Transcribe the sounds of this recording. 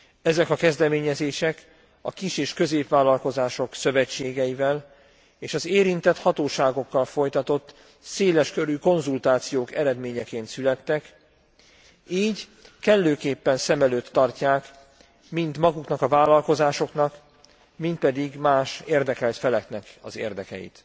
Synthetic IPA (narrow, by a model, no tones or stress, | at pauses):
ɛzɛkɒkɛzd̪ɛmeːɲɛzeːʃɛk | ɒ̰kiʃeːʃkø̞zeːpʋaːlːɒlko̞zaːʃo̞ksø̞vɛt͡ʃːeːɡɛivɛl | eːʃɒzeːɾint̪ɛt̪hɒt̪oːʃaːɡo̞kːɒlfo̞jt̪ɒt̪o̞t̪ː | seːlɛʃkø̞ɾyko̞nzult̪aːt̪sijoːkɛɾɛd̪meːɲɛkeːnt̪sylɛt̪ːɛk | iːɟ | kɛlːøːkeːpːɛnsɛmɛløːt̪ːɒrcaːk | mint̪mɒɡuknɒkɒvaːlːɒlko̞zaːʃo̞knɒk | mint̪̚pɛd̪iɡmaːʃeːrd̪ɛkɛlt̪fɛlɛk̪nɛkɒ̰zḛːrd̪ɛkɛ̰jḭt̪